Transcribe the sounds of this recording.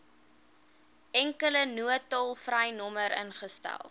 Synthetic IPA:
ɛŋkələnuətɔlˠfrəjnɔməɾʔə̰nχəstɛ̰lˠ

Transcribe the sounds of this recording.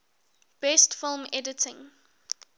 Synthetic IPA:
b̥ɛstfɪlˠmɛdətʰɪ̃ŋ

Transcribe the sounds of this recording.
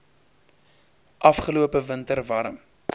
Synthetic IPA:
ʔɐfχəluəpəvəntərvɐɾə̰m

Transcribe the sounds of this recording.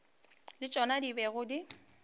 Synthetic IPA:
lɪt͡ʃʼɔnadibɛɣʊdi

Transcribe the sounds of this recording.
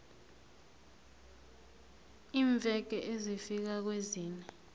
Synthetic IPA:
iːɱb̪vʱɛɡ̥ʱɛʔezifik̬ak̬weziːnɛ

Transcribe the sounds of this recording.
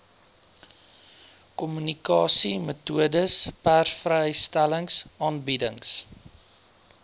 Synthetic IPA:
kɔmynikɑːsimətuədəspærsfrɛəjstæləŋsɑːnbidəŋs

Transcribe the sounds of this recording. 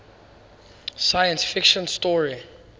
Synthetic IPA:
sajə̃nsfɪkʃɔ̃nstɔɹi

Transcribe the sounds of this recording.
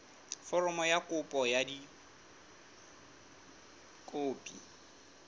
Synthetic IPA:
fɔrɔmɔjakʼʊpʼɔjadi | kʼoːpʼi

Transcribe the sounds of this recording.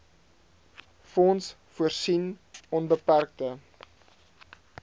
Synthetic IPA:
fɔns | fuərsinɔnbəpærk̚də

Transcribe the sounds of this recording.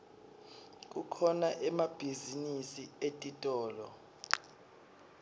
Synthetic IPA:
k̬ʼukʰɔnaʔɛmab̥ʱizinisietʼitʼɔːlɔ

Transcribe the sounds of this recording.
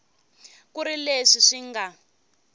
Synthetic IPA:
kuɾileʂiʂiŋɡa

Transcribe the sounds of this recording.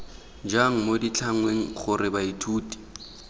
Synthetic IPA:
d͡ʒaŋ̩modit͡ɬʰaŋ̩weŋ̩χʊrɪbaitʰuːtʼi̥

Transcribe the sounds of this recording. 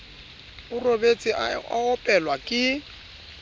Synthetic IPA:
ʊrobet͡sʼiaa̰ɔpʼɛlwakʼɪ

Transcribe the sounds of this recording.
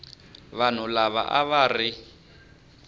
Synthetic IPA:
βan̤ulaβa̰ʔa̰βari

